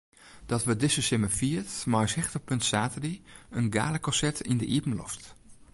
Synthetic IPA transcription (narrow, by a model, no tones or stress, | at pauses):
d̥ɔtʋədɪsəsɪməfiətmajshɛxtəpɵntsaːtədiənɡa̰ːləkɔsɛtʰindəʔipən̩lɔ̰ft